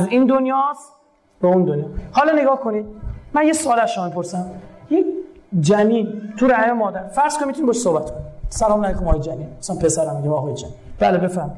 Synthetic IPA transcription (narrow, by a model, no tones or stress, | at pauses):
zind̪onjɒːs | beund̪onjɒːhɒlɒneɡɒːhkʰonid̪̥̚mænjesoɒːlæzʃomɒmipʰo̞ɾsæmjekd͡ʒæmiːnt̪ʰuɾæhememɒːd̪æɾfæɾz̥konimit̪ʰunibːʃsohbæt̪kʰonisælɒːmnæjikʰomɒːjed͡ʒæninosænpʰesæɾæmiɡimɒɦɒːjed͡ʒæmib̥æːlebe̞fæɾmi